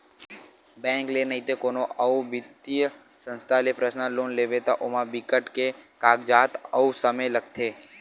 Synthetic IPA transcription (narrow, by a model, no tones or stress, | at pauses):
bɛ̃ŋklenəɦĩt̪ekonoʔəubɪt̪ijə | sə̃nst̪ʰalepɾəsnaloːnleʋet̪aʔomãbɪkəʈkekaːɡd͡ʒaːt̪əusəmeləkt̪ʰe